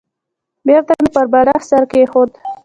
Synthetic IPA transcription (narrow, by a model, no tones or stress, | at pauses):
beɾt̪amepəɾbaɾaxsaɾkexod̪